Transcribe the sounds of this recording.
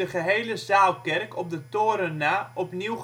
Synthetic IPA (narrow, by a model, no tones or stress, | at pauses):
əχəɦejləzaːlˠkɛrkʰɔp̚dətoːɾənaɔpniw